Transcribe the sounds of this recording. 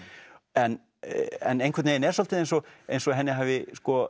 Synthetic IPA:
ɛn | ɛ̰nejnŋkʰɛt̪nejɪnɛɾsɔlt̪ɪðejnsɔḛjnsɔɦɛnːɪɦaːvɪskɔ

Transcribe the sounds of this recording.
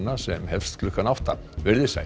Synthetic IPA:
nːasɛmhɛfst̪kʰlʏhkːanawft̪avɛɾðɪsa̰

